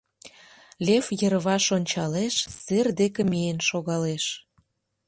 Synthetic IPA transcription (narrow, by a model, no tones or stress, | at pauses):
lʲefjə̆ɾβɑʃonʲt͡ɕɑleʃserd̪ekemienʃoɣɑleʃ